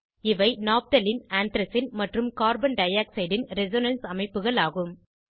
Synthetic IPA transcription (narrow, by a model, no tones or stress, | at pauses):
ɪʋɐɪnaːp̚t̪ɐlɪnaːnt̪ɾɐsɪnmɐʈrɯmkaːɾbɐnɖɐjaːksɐɪɖɪnɾɛzoːnɐnsɐmɐɪpːɯɣɐɭaːɣɯm